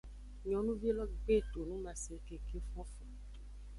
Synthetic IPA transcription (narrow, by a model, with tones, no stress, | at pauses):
ɲɔ̃˨˦nũ˦ve˦lɔ˦bɡ͡be˦˨to˨nũ˦ma˨se˨ke˨ke˦fɔ˦fɔ˨